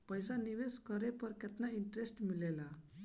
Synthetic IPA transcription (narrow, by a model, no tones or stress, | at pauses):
pəjsaniʋeskəɾepəɾket̪naiɳʈɾesʈmilela